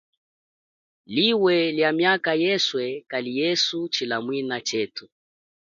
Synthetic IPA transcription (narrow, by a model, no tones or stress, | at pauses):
liwɛljamjakajɛswɛkalijɛsut͡ʃilamwinat͡ʃɛtu